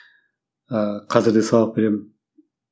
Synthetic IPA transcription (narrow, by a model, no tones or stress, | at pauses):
qʰɑzɨɾd̪ɯsɑlˠɑq̚be̞ɾemɪ